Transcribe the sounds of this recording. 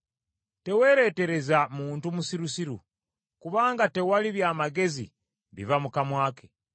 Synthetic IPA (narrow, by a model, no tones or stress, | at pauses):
te̞we̞ːɾe̞ːte̞ɾe̞zamuːntumusiɾusiɾṵ | kuβaːŋɡate̞waliβjaːmaɡe̞zḭ | βḭvamukamwaːkʰe